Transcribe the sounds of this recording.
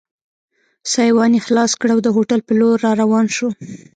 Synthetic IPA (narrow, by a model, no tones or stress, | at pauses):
sɑjwɑnixlɑskɽawd̪əɦoʈalpəloɾːɑɾawɑnʃo